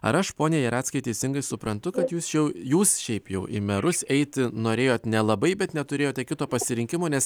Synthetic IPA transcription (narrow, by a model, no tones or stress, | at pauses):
ɐ̰ɾɐʃpoːnʲeːjɛɾɑːt̪sʲkɐɪt̪ʲɛɪsʲɪŋɡɐɪsʊpɾɐnt̪ʊkɐt̪juːsʃʲɛʊjuːsʃʲɛɪpjɛʊʔɪ̰mʲɛɾʊsɛɪt̪ʲɪnoːɾʲeːjoːt̪nʲɛlˠɐbɐɪbʲɛt̪nʲɛt̪ʊɾʲeːjoːt̪jɛkʲɪt̪oːpɐsʲɪɾʲɪŋʲkʲɪmoːnʲɛs